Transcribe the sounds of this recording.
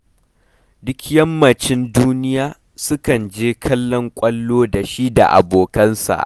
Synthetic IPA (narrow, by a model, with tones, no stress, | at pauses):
dʊ˦kʲjɐ˦mːɐ˨t͡ʃɪ˦nduː˦nɪ˦jaː˦ | sʊ˦kɐ˨nd͡ʒeː˦kʰɐ˦lːɔ˦ŋkʷʼɐ˦lːoː˦da˨ʃi˦da̰˨ʔa̰˨boː˨kɐ˦nsa̰˨ʔ